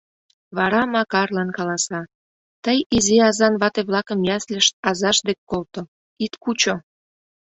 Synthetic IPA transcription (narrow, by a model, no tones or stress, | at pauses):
βɑɾɑmɑkɑrlɑnkɑlɑsɑ | t̪əjiziɑzɑnβɑt̪eβlɑkəmjɑslʲəʃt̪̚ɑzɑʃd̪ekkːolt̪o | it̪kut͡ɕo